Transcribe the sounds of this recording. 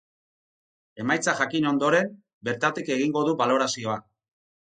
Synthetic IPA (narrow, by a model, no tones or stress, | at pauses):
e̞majt͡saʝakino̞nd̪o̞ɾe̞m | be̞ɾt̪at̪ike̞ɣiŋɡo̞ðuβalo̞ɾasio̞a